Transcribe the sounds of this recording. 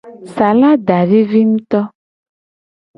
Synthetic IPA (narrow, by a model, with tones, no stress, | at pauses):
sa˨la˦ɖa˨ɖe˦vi˦ŋũ˦t̪ɔ˦